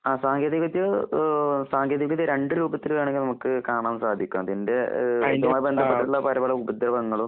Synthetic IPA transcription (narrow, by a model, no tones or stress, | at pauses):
aːsaːŋɡjeːðikːɐt̪jɐ | saːŋɡjeːðikːɐt̪jɐɾe̞ɳɖɨɾuːbɐt̪ːilʋaːɳeŋɡilnɐmukːɨkaːɳaːmsaːd̪ʱikʲːumɐt̪inde̞ɐjɐmaːjibe̞nd̪ʱɐpːeʈːiuɭːɐpɐɾɐbɐɭɐubɐd̪ɾɐʋɐŋːɐɭum